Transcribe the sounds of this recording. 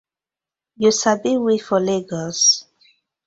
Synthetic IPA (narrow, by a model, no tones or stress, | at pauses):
jusabiwifɔleɡɔs